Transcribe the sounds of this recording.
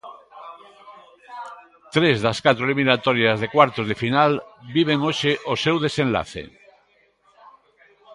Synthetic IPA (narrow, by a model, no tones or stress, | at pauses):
t̪ɾezðaskat̪ɾoliminat̪oɾjazðekwaɾt̪oðefinalbiβ̞eŋoʃeʔosewð̞esẽnla̰θḛ